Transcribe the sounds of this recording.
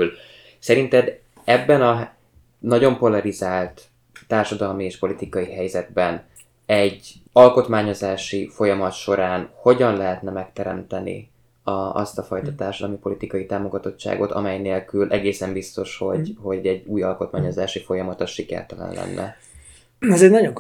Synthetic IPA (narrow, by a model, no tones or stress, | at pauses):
l | sɛɾint̪ɛd̪ | ɛbːɛnɒɦ | nɒɟo̞mpo̞lɒɾizaːlt̪ː | aːrʃɒd̪ɒlmieːʃpo̞lit̪ikɒjiɦɛjzɛd̪̚bɛn | ɛɟɒlko̞t̪maːɲo̞zaːʃifo̞jɒmɒt̪ʃo̞ɾaːnho̞ɟɒnlɛɦɛt̪nɛmɛk̚t̪ɛɾɛ̰mt̪ɛnḭ | ɒɒ̰st̪ɒfɒjt̪ɒt̪aːrʃɒd̪ɒlmipo̞lit̪ikɒjit̪aːmo̞ɡɒt̪o̞t͡ʃːa̰ːɡo̞t̪ɒ̰mɛjneːlkylʔɛɡeːsɛmbist̪o̞ʃho̞ɟho̞ɟɛɟːuːjɒlko̞t̪maːɲo̞zaːʃifo̞jɒmɒt̪ɒʃikɛ̰rt̪ɛlɛ̰nlɛ̰nːɛ̰ | ɛzɛɟnɒɟoŋ